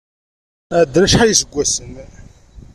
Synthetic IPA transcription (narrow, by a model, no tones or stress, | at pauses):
æd̪ɾæʃħajəsəɡʷːæsən